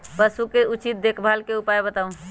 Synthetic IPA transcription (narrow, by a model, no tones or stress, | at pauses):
pəsukeʔut͡ʃit̪̚d̪ekʰbʱalkeupaebət̪aũ